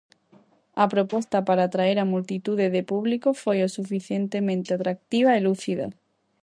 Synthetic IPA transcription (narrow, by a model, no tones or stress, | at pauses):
apɾopost̪apaɾaːt̪ɾaeɾamult̪it̪uðeðepuβlikofojosufiθjent̪emẽnt̪eat̪ɾak̚t̪iβ̞aeluθiða̰